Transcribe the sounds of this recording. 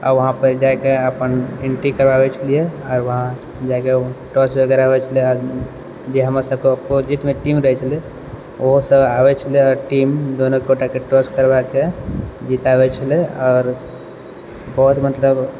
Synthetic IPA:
ɔ̰ːɾʋəɦãpəɾd͡ʒakeəpəneɳʈikəɾbabɛt͡ʃʰəlijeɔːɾʋəɦã | d͡ʒakeʈɔsəɡɛɾaɦoɛt͡ʃʰəlieɾ | d͡ʒeɦəmasəb̚keppod͡ʒit̪meʈimɾəɦɛt͡ʃʰəle | oɦsəbabɛt͡ʃʰəlieɔːɾʈimd̪onõkeoʈakeʈɔskəɾbaked͡ʒit̪abɛt͡ʃʰəleɔːɾ | bɔɦut̪mət̪ləb

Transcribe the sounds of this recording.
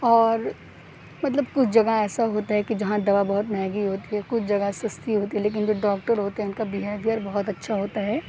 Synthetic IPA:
ɔːɾ | mɐt̪̬ləb̚kʊt͡ʃʰd͡ʒɐɡaɛːsaɦoːt̪aɦɛkid͡ʒɐɦãd̪ɐʋabɐɦʊt̪mɛ̃ːɡiɦoːt̪iɦɛkʊt͡ʃʰd͡ʒɐɡasɐst̪iɦoːt̪iɦɛleːk̬ɪnd͡ʒoːɖɔːk̚ʈəɾɦoːt̪eɦɛʊnkabiɦaʋʱiəɾbɐɦʊt̪ɐtːʃʰaɦoːt̪aɦɛː

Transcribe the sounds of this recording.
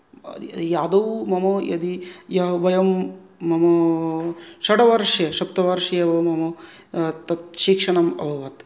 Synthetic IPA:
d̪iijaːd̪ɐwmɐmɐjɐ̰d̪ijɐɦɐʋɐjɐmː | ɐmɐ | ʃɐɖɐʋɐɾʂjɐʃɐpt̪ɐʋɐɾʂɐjɐʋɐmɐmɐ | t̪ɐt̪̚ʃikʂɐɳɐmɐ̰bʱɐʋɐt̪

